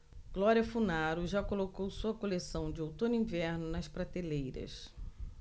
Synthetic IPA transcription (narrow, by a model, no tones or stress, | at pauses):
ɡ̥lɔɾiɐfunaɾʊʒakolokowsuɐkolesɐ̃w̃d͡ʒɪowt̪õnʊĩvɛɾnʊnɐspɾat̪elejɾɐ̰s